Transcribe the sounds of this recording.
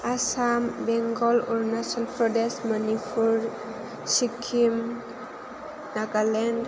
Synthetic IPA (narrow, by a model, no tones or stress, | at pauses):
asambɛŋɡɔlɔɾnasɔlpʰɾɔdesmanipʰuɾ | sikʰːim | nakalɛnd